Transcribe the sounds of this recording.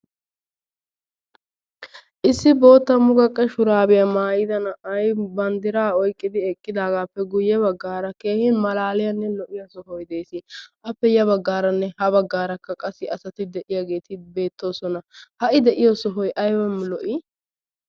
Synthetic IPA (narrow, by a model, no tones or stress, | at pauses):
ʔɪsːɪbo̞ːt̪ːɐmʊɡɐkʼːɛʃʊɾaːbɪjɐmaːjɪd̪ɐnɐɐjbɐnd̪ɪɾaːɔjkʼːɪd̪ɪɛkʼːɪd̪aːɡaːpːɛɡʊjːɛβɐɡːaːɾɐke̞ːhɪnmɐlaːlɪjɐnːɛlɔʔɪjɐsɔɦɔjd̪e̞ːsɪʔɐpːɛjɐβɐɡːaːɾɐnːɛhɐbɐɡːaːɾɐkːɐkʼɐsːɪɐsɐt̪ɪd̪ɛʔɪjaɡe̞ːt̪ɪbe̞ːt̪ːo̞ːsɔnɐhɐʔɪd̪ɛʔɪjoːsɔɦɔjʔɐjwɐmlɔʔɪ